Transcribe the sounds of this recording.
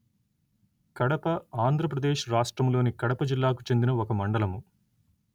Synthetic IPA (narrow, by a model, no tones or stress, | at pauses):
kɐɽɐpɐaːnd̪ʱɾɐp̬ɾɐd̪e̞ːʃɾaːʂʈɾɐmlo̞ːnikɐɽɐpɐd͡ʒilːaːkut͡ʃe̞nd̪inɐɔkɐmɐɳɖɐlɐmu